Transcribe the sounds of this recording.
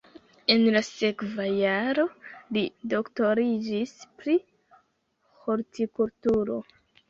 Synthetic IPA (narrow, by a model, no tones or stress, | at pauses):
e̞nlase̞kvajaɾo̞lido̞kto̞ɾid͡ʒispɾi | hoɾtikultuɾo̞